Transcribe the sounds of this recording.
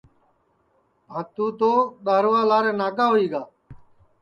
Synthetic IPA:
ɦãːt̪uːt̪oːɗaːɾʋaːlaːɾeːnaːkaːɦoiːɡaː

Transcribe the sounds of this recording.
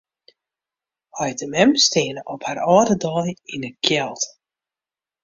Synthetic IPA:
hajdəmɛmsteːnəʔɔpharɔːdədɔːjinəkʰjɛlˠt

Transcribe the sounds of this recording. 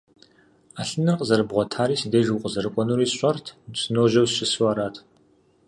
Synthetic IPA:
aːɬɨnɐqʼzɐrɨbʁʷɔtʰaːɾiːsideːʒwqʼəzɐɾɨkʷʼɔnuɾiːsɕʷʼɐrtʰt͡sʼɨnoːʒɐwɕɪsuwaːɾaːtʰ

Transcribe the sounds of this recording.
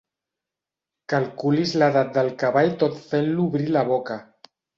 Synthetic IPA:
kalkulizlaðat̪̚d̪əlˠkaβaʎt̪ot̪fenluβɾilaβoka

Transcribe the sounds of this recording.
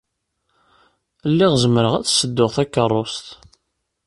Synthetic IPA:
lːɪʁzəməɾəʁæt͡sːsəd̪ːʊʁθækːərˤːost̪

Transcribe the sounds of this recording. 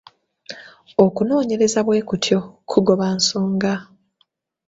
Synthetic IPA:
o̞kuno̞ːɲe̞ɾe̞zaβwe̞ːkutʰjo̞kʰuɡo̞βansoːŋɡa

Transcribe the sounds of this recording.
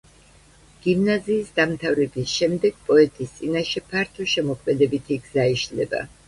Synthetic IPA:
ɡ̥imnaziːsd̪amt̪ʰavɾɛbisʃɛmd̪ɛɡ̥̚pʼɔɛt̪ʼist̪sʼinaʃɛpʰaɾt̪ʰɔʃɛmɔkʰmɛd̪ɛbit̪ʰiɡzaiʃlɛba̰

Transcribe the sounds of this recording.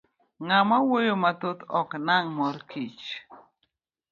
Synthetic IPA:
ŋamawojomat̪ot̪ɔknaŋmɔɾkʰit͡ʃ

